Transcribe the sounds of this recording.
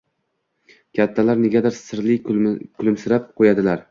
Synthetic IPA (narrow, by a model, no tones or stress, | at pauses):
kʲʰat̪ʰːalaɾneɡʲad̪aɾsɪɾlɪkʲʰʊlɪmsɪɾap̚qʰojad̪ɪlaɾ